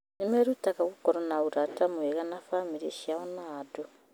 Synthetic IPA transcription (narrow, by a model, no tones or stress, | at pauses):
nemeɾutakaɣukɔɾɔnauɾatamueɣanafamiɾeʃiaɔnado